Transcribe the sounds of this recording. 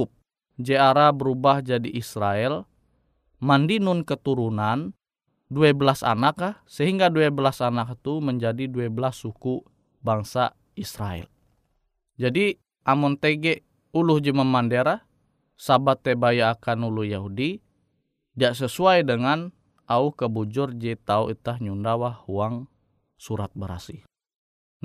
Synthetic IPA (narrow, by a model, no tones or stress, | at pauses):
up̚ | d͡ʒɛaɾabəɾubahd͡ʒadiʔːsɾaɛl | mandinunkət̪uɾunan | duɛbəlasa̰nakahsəɦiŋɡaduɛbəlasanak̚t̪uməɲd͡ʒadiduɛbəlasːuku | baŋsa | isɾa̰ɛ̰l | d͡ʒadi | ʔamɔnt̪eɡɛʔ | uluhd͡ʒimamandeɾa | sabat̪ːɛbajaːkanuluhjaɦudi | daʔs̬əsuajdəŋan | auhkəbud͡ʒʊrd͡ʒɛt̪auʔit̪ahɲundawahuaŋ | suɾat̪̚bəɾa̰si